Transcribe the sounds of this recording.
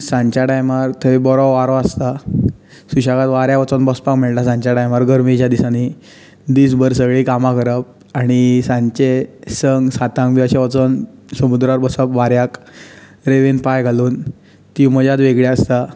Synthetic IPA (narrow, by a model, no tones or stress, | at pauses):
sãɲt͡ɕaʈajmaɾt̪ʰəʋibɔɾɔʋaɾɔast̪a | suɕakat̪ʋaɾjaʋat͡sɔnbɔspakmeɭʈasãɲt͡ɕjaʈajmaɾɡəɾmit͡ɕjad̪isani | d̪iːsbəɾsəɡɭiːkamãkəɾəp̚ | aɽ̃isãɲt͡ɕesəŋɡsat̪ãŋɡbiaɕaʋat͡sɔnsəmud̪ɾaɾbəsəpʋaɾjak | ɾeʋenpajɡʱaluːn | t̪iməd͡ʑat̪ʋeɡɭjaəst̪a